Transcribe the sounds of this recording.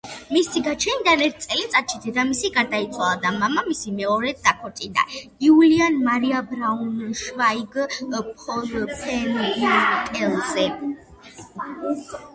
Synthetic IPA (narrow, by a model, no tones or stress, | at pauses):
misiɡat͡ʃʰɛnid̪anɛɾt̪̚ʰt̪sʼɛlit̪sʼat̪ʃid̪ɛd̪amisiɡaɾd̪ait̪sʰwalˠad̪amamamisimɛɔɾɛd̪̚d̪akʰɔɾt̪ʼind̪a̰iulianmaɾiabɾaunʃvaiɡpʰɔɾpʰɛnt̪ʼɛlˠzɛ